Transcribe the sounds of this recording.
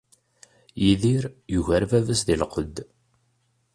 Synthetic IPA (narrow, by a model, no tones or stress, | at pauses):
jiðiɾjuʝæɾvævəsðilqəd̪ː